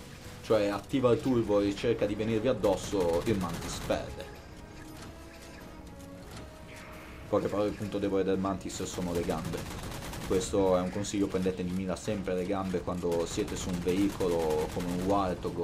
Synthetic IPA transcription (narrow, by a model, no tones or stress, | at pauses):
t͡ʃoɛat̪ːiːvalt̪urvoet͡ʃerkad̪ivenirviad̪ːɔsːoilmant̪ispɛ̰d̪e | pɔjkepːaɾɔilpːunt̪od̪ɛːvoɾɛd̪eɾmant̪isesoːnoleɡambekwest̪oɛuŋkonsiʎːopɾend̪et̪ed̪imiːlasɛmpɾeleɡambekwand̪osjɛːt̪esuːɱveiːkʰolokomeuŋwalt̪oɡ